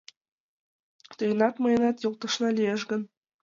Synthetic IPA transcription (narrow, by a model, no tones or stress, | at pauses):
t̪ɤ̆jɤ̆nɑt̪mɤ̆jɤ̆nɑt̪jɤ̆lˠt̪ɤ̆ʃnɑlʲijeʒɡɘ̆n